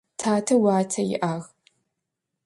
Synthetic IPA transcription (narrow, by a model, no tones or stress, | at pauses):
tʰaːtʰɐwaːtʰɐjɪ̰ʔaːɣ